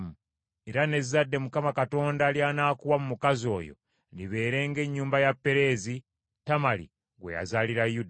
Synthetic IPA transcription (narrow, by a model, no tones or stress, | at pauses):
mu | eɾane̞zzːadːe̞mukamakato̞ːndaːljaːnaːkuwamumukazo̞̰ːjo̞̰ | ndiβe̞ːɾe̞ːŋɡe̞ɲːuːmbajapːe̞ɾe̞ːzi | tamalḭ | ɡwe̞̰ja̰zaːliɾajud